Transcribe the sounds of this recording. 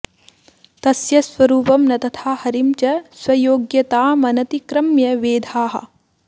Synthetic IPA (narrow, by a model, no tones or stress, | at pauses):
t̪ɐsjɐsʋɐɾuːpɐmnɐt̪ɐt̪ʰaːhɐɾimt͡ʃɐswɐjoːɡjɐt̪aːmɐnɐt̪ikɾɐmjɐʋeːd̪ʱaːɦɐ̰̆